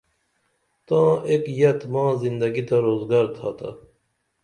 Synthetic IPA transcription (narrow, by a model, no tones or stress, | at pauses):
t̪ãːekjɐt̪mãːzind̪ɐɡit̪aɾoːzɡaɾt̪ʰaːt̪ʰa̰